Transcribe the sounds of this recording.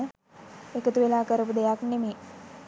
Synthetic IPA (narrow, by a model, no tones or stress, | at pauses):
ə | ekət̪uʋelaːkəɾəpud̪ejakneme